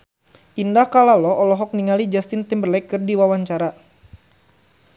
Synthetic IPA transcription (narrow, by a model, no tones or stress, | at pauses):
indahkalalɔɔlɔɦɔk̚niŋalid͡ʒast̪ɪnt̪ɪmbərlɛkːɨrdiwawaɲt͡ʃaɾa